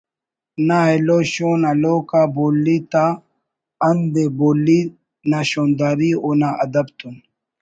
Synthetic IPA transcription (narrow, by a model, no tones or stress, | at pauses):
naɛloʃunɐloːkabolːit̪a | ɐnd̪ɛbolːi | nɐʃɔnd̪ɐɾiʊnaʔɐd̪ɐbt̪ʊn